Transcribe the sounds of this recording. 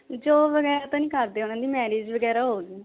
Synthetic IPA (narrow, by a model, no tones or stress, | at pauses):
d͡ʒoːʋəɡɛːɾaːt̪õːnĩːkəɾd̪eːoːnãːd̪iːmɛːɾeːd͡ʒʋəɡɛːɾaːɦoːɡiː